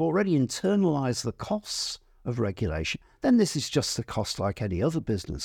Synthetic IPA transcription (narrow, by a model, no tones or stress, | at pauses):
l̩ˠɹɛɾiɨ̃ntʰɜ˞nəlaɪzðəkʰɔst | ʌvɹɛɡjɨlḛɪʃɨ̃n | ðɨ̃nðɪsɨzd͡ʒʌstɨkʰɔstˡlaɪkɛniʌðə˞bɪznə̰s